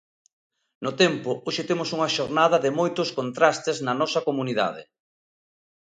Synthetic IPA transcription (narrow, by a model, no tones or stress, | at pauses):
nʊt̪ɛmpʊoʃɪt̪emʊsuŋɐʃoɾnað̞ɐðɪmojt̪ʊskont̪ɾast̪ɪznɐnɔsɐkomuniða̰ð̞ɪ̰